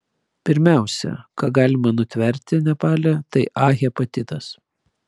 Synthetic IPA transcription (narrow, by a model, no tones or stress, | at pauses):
pʲɪɾʲmʲæˑʊsʲɛ̰kɑːɡɑːlʲɪmɐnʊt̪ʲʋʲɛɾʲt̪ʲɪnʲɛpɑːlʲɛt̪ɐɪʔɑːɣʲɛpɐt̪ʲɪt̪ɐs